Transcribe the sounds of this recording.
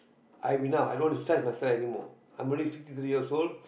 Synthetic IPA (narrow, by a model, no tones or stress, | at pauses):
ʔaɪʋinaʊa̰ɪdõːnpsaɪzmaɪsɛlfɛnimɔ̰ː | ãɪ̃mɾelifikfstit̪ʰɾijiəsoːlɖ